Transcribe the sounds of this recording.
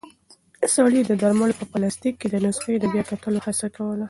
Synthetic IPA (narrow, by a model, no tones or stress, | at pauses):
sɑlid̪əd̪aɾmalpəpalast̪ikːed̪ənʊsxejd̪əbjɑkat̪əlohasakawəla